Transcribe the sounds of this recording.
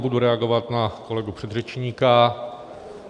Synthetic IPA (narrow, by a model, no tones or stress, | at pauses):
buduɾɛaɡo̞vat̪nako̞lɛɡupr̝̥ɛd̪rɛt͡ʃɲiːka